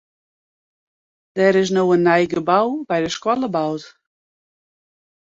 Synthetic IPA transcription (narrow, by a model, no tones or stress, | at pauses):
d̥ɛɾɪs̬nowənːɛjɡəbawbɛjdəskwɔləbawt